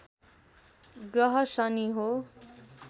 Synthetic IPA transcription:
ɡʌɦʌsʌniɦo

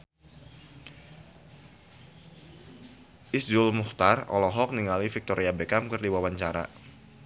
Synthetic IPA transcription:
ʔisdʊlmuht̪arɔ̰lɔɦɔk̚niŋalifik̚t̪oɾiabekamkɨrdiwawaɲt͡ʃaɾa̰

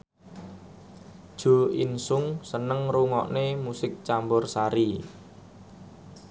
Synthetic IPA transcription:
d̥ʒ̥o̤insʊŋsənəŋruŋɔʔnemusɪk̚t͡ʃambʊrsaɾi

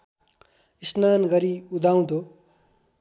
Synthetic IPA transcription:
isnanɡʌɾiud̪ʱaw̃d̪o

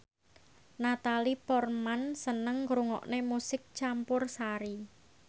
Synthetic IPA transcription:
nat̪alipɔrmansənəŋɡɾuŋɔ̰ʔnemusɪk̚t͡ʃampʊrsaɾi

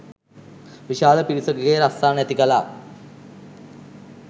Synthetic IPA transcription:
ʋiʃaːləpiɾisoɡeɡeːɾast̪aːnæt̪ikəla̰ː

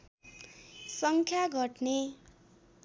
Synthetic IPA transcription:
sʌŋkʰjaɡʱʌʈne

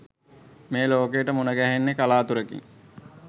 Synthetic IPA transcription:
meːloːkejːʈəmunəɡæɦenːekalaːt̪uɾəkḭŋ

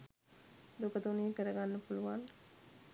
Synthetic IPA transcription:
d̪okət̪uniːkəɾɐɡanːɐfuluʋan

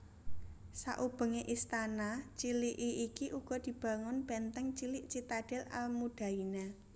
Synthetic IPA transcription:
sa̰ʔub̥ə̤ŋeʔist̪anat͡ʃiliʔiʔikiʔuɡ̥ɔ̤d̪̥i̤b̥a̤ŋʊnb̥ɛnt̪ɛŋt͡ʃilɪʔt͡ʃit̪aɖ̥ɛla̰lmud̥ä̤ina

